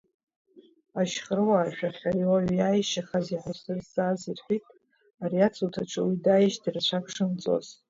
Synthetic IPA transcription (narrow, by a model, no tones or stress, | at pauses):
aʃχərɨwaːʃᶣaχʲariwaɥjajʃaχaziħʷasɨrsazirħʷitʼ | ariat͡sʰʼutʰaʈ͡ʂʰɨwidajiʃdɨrt͡ɕʷʰakʷʰʼʂɨmt͡sʼo̰z̥